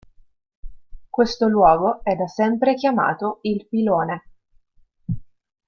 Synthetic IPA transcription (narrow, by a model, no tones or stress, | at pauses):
kwest̪olwɔːɡoɛd̪asɛmpɾek̟jama̰ːt̪oilpiloːne